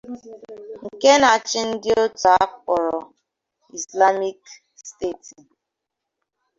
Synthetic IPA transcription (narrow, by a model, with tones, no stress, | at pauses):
ŋ̩˨ke˦na˨t͡ʃɪ˦n̩˦dɪ˦o˦ta˨˦pɔ˨ɾɔ˨ | i˨sla˦mi˦k | ste˦˨ti˨